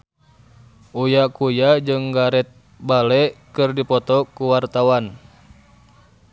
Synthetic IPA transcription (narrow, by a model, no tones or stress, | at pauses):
ʔujakujad͡ʒɨŋɡaɾɛt̪̚ | balɛʔkɨrdipɔt̪ɔkuwart̪awan